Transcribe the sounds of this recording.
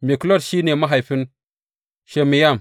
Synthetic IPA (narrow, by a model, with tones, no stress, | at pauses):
mi˨klo˦tʃi˦ne˨ma˦ɦa˨jfi˦n | ʃe˨mi˨ja˦˨m